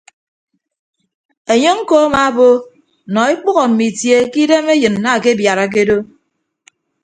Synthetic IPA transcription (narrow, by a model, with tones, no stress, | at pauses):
e˨ɲe˦ŋ̩˦ko˦a˦ma˨˦bo˦˨ | nɔ˨e˦k͡pu˦ɣɔ˨m̩˨mi˨tje˦ki˦de˦me˦jɨ˨nː˨a˦˨ke˦bja˨ɾa˨k̬e˦do˦